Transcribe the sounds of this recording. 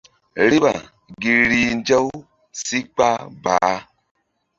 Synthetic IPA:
ɾi˦ɓa̰˨ | ɡi˨ɾi˨nd͡ʒa˦w | si˦k͡pa˦ba̰ː˨˦

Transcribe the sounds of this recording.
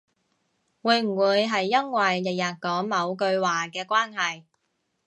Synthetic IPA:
wuː˨˧jm̩˨˩wuː˨˧jɦɐ˨jːɐ˥ŋwɐ˨jlɪ˨˩k̚jɐː˨t̚kɔː˨˥ŋmɐ˨˧wkɵ˧ɥwaː˨kɛː˧kwaː˥nɦɐ˨j

